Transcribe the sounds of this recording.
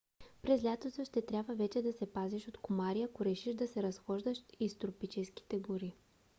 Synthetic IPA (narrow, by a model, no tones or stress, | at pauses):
pɾɛzlʲat̪osoʃt̪ɛt̪ɾʲabvəvɛt͡ʃɛd̪ɐsɛpaziʃot̪kʊmaɾiakoɾɛʃiʒd̪ɐsɛɾɐsxɔʒd̪əʃist̪ɾopit͡ʃɛski̥t̪ɛɡʊɾi